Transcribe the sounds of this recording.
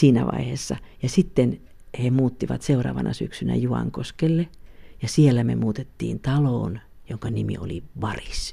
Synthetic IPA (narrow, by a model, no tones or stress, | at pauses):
siːnæʋɑ̰iheːsːɑjɑsit̪ːen | hemuːt̪ːiʋɑt̪seurɑ̰ːʋɑnʔɑsyksynæ̰juɑ̰ŋkoskelːejɑsielːæmḛmuːt̪et̪ːḭːnt̪ɑloːn | joŋkɑnimḭo̰liʋɑris